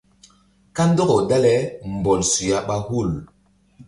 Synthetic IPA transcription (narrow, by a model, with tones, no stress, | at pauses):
ka˦n̩˦dɔ˦ɡɔ˨da˦lɛ˦m̩˨bɔ˨lsu˨ja˦ɓa˦hu˦˨l